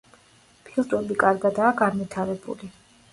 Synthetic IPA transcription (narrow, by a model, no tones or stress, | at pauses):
pʰilˠt̪ʼɾɛbikʼaɾɡad̪aːɡanvit̪ʰaɾɛbṵli